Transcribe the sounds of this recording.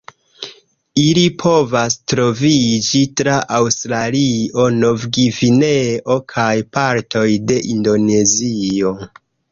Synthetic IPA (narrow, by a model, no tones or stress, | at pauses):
ilipʰo̞vastɾo̞vid͡ʒitɾaʔawstɾalio̞no̞vɡivineʔo̞kʰajpaɾtʰo̞jde̞ʔindo̞ne̞zio̞